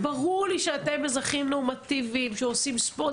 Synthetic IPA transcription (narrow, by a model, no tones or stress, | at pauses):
baʁuʁliʃeat̪embezʁaχimnomat̪ivimʃeosimspo